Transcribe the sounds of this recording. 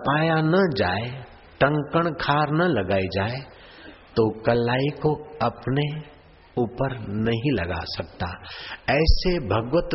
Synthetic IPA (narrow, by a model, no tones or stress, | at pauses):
paːjanɐd͡ʒaːe | ʈɐ̃ŋkəɽ̃kʰaːɾnɐlɐɡaːid͡ʒaːe | t̪okɐlːaːikoɐpne | uːpəɾnɐɦĩlɐɡa̰sɐkt̪aɛːsebʱɐɡwət̪